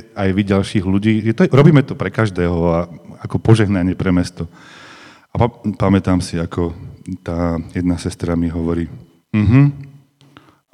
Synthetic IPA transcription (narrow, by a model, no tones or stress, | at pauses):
ajʋiɟalʃiːɣʎuɟiːɛt̪ɔɾɔbiːmɛt̪ɔpɾɛkaʒd̪ɛːɦɔaakɔpɔʒɛɦnaɲɪɛpɾɛmɛst̪ɔ | apamɛt̪aːmsiakʰɔt̪aːjɛd̪nasɛst̪ɾamiɦɔʋɔɾiː | m̩ɦm̩